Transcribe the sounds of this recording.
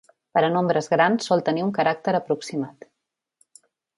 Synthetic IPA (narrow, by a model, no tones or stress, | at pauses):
pəɾənombɾəzɣɾansːɔlˠt̪əniuŋkəɾak̚t̪əɾəpɾuksimat̪